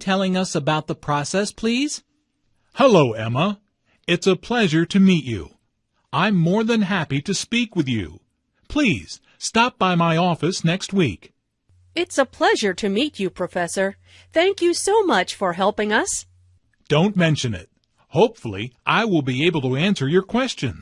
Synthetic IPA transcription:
tʰɛlˠɪ̃ŋʌsəbaʊt̪̚ðəpʰɹ̥ɔsɛspʰl̥iz̥ | həloʊɛmə | ɨtsəpʰl̥ɛʒə˞ɾɨmit͡ʃʉ̰ | ãɪ̃mːɔɹðɨ̃nɦæpiɾɨspikwɨðjʉ̰ | pʰl̥iz̥ | stɑp̚b̥aɪmaɪɔfɨsnɛkst̚wik | ɪtsəpʰl̥ɛʒə˞ɾɨmit͡ʃɨpʰɹ̥ɨfɛsə˞ | θæ̃ŋkjɨsoʊmʌt͡ʃfə˞ɦɛlˠpɪ̃ŋʌs | d̥õʊ̃nmɛ̃nʃɨ̃nɪ̰t̚ | hoʊpfl̩ˠḭʔaɪwɪlˠbieɪbl̩ˠtɨæ̃nsə˞jə˞kʰw̥ɛst͡ʃɨ̃n

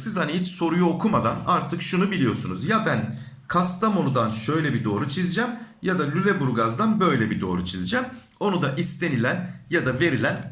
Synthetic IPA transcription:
sizhaniɦit͡ʃso̞ɾujuo̞kʰumad̪anaɾt̪ʰɯkʃunubilʲijo̞sunuzjabæn | kʰast̪ʰamo̞nud̪anʃø̞jlʲɛbid̪o̞ːɾut͡ʃʰizd͡ʒamjad̪alʲylʲebuɾɡazd̪anbø̞jlʲɛbid̪o̞̰ːɾut͡ʃʰizd͡ʒam | o̞nud̪aʔist̪ʰe̞nilʲænjad̪ave̞ɾilʲæn

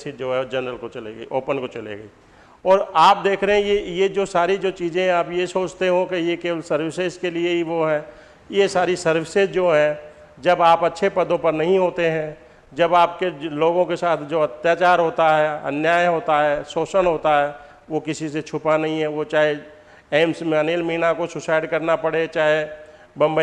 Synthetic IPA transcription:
sid͡ʒoːɦɛd͡ʒɐnɾəlkot͡ʃɐleɡiʔoːpənkot͡ʃɐlḛɡɐi | ɔːɾaːpd̪eːkʰɾəɦɛ̃jejed͡ʒoːsaːɾid͡ʒoːt͡ʃiːzẽɛ̃aːpjesoːt͡ʃt̪eɦõkejekeːʋəlsɐɾwɪseskelieɦiʋoɦɛ̃ː | jesaːɾisɐɾʋɪsezd͡ʒoːɦɛ̃ | d͡ʒɐbaːpɐtːʃʰepɐd̪õpɐɾnɐɦĩɦoːt̪eɦɛ̃ | d͡ʒɐbaːpkeloːɡõkesaːt̪ʰd͡ʒoːɐt̪jaːt͡ʃaːɾɦoːt̪aɦɛːɐ̰njaːjɦoːt̪aɦɛːsoːsənɦoːt̪aɦɛː | ʋokɪsiset͡ʃʰʊpanɐɦĩɦɛʋot͡ʃaːɦe | eːmsmɛneːlmiinakosʊsaːɪɖkɐɾnapɐɽet͡ʃaːɦe | bɐ̃mb

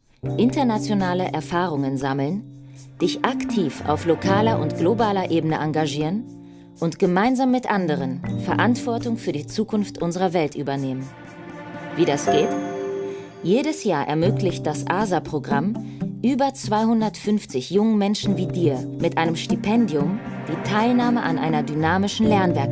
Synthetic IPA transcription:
ʔɪntɐnat͡sjonaːləʔɛɐfaːʁ̞ʊŋənzaml̩n | d̥ɪçʔaktʰiːfa̰ʊflokʰaːlɐʔʊntɡ̥lobaːlɐʔeːbənəʔaŋɡaʒiːʁən | ʔʊntɡ̥əmaɪnzaːmːɪtʔandəʁ̞ənfɛɐʔantv̥ɔɐtʊŋfyːɐdiːt͡suːkʰʊnftʔʊnzəʁɐvɛltʔyːbɐneːmən | viːdasɡ̥eːt | jeːɾəsjaːɐʔɛ̰ɐmøːklɪçt̚d̥asʔaːzapʁ̥oɡʁamʔyːbɐt͡sv̥aɪhʊndɐtfʏnft͡sɪçjʊŋənmɛnʃn̩viːdiːɐmɪtʔaɪnəmʃtipʰɛndiʊmd̥iːtʰaɪlnaːməʔa̰nʔaɪnɐdynaːmɪʃn̩lɛɐnvɛɐk

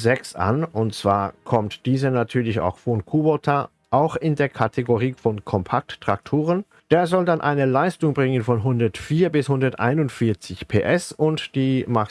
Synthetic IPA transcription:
zɛksʔa̰nʊntt͡sv̥aːɐkʰɔmtd̥iːzɐnatʰyːɐlɪça̰ʊxfɔnkʰubotʰa | ʔaʊxɪndeːɐkʰatʰeɡoʁiːfɔnkʰɔmpʰak̚tːʁ̥ak̚tʰoːʁ̞ən | d̥eːɐzɔldanʔa̰ɪnəlaɪstʊŋbʁɪŋənfɔnɦʊndɐtfiːɐbɪshʊndɐtʔa̰ɪnʊntfɪɐt͡sɪçpʰeːʔɛsʊntd̥iːmaχ

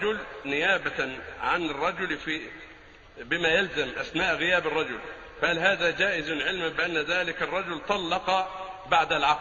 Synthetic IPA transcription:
ʊlnɪjaːbaʕanɪrˤːɑd͡ʒʊlfiː | bɪmæjalzamʔasnaːʔɣɪjæːbɑrˤːɑd͡ʒʊl | fæʔælɦaːðæːd͡ʒæːʔɪznʕɪlmabɪʔanːðaːlɪkɑrˤːɑd͡ʒʊlt̪ˤɑlːɑqɑbaʕd̪alʕɑq

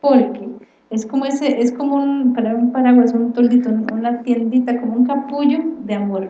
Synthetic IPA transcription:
poɾke | eskomoeseʔeskomounpaɾaumpaɾaɣwaesunt̪old̪it̪oununat̪je̞nd̪it̪akomouŋkapuʝod̪eamoɾ

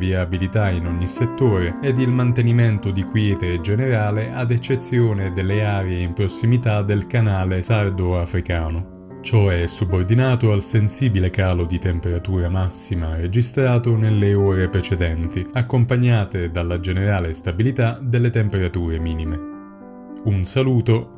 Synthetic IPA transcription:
viabilit̪ainɔɲːiset̪ːoːɾeɛd̪ilmant̪eniment̪ʊd̪ikwjɛːt̪ed͡ʒeneɾaːleʔad̪et͡ʃːet̪sːjoːned̪elːeaːɾjeimpɾosːimit̪ad̪elkanaːlesard̪oafɾikaːno | t͡ʃɔɛsːubord̪inaːt̪oalsensiːbilekaːlod̪it̪empeɾat̪uːɾamasːimaɾed͡ʒist̪ɾaːt̪onelːeoːɾepɾet͡ʃed̪ɛnt̪iakːompaɲːaːt̪ed̪alːad͡ʒeneɾaːlest̪abilit̪ad̪elːet̪empeɾat̪uːɾemiːnime | unsaluːt̪o

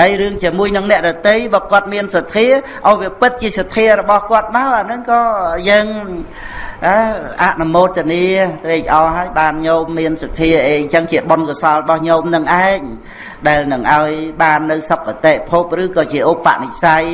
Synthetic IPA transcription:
ajrɨəŋt͡ɕiəmuəjnɨŋnɛ̆əʔɗɔt̪ɨjɓaːkŏət̪̚miənsat̪ʰːiə | ʔaɔjʋiəpɨt̪̚t͡ɕiəsat̪ʰːiəɾɔɓɑhkŏət̪̚maəʔaːnɨŋkɑːjəːŋ | ʔaʔa̰ʔnumoːt̪ʰːəəniət̪reːk̚ʔɑːɦaəjɓaːnɲoːmːiənsat̪ʰːiəʔeːɲt͡ɕəŋt͡ɕiəɓonkɔsɑləɓɑhɲoːmnɨŋʔaɛŋ̚ | ɗaɛlnɨŋʔaɔjɓaːnːɨwsop̚kat̪eːʔpʰup̚rɨːkɑːt͡ɕiəʔopːa̰ʔnic̚saj

